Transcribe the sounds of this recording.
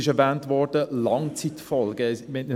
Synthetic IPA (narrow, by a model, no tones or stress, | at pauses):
ɪʃɛɾvæːntʋɔɾd̥əlɑŋt͡sitfɔlɡ̥əmenə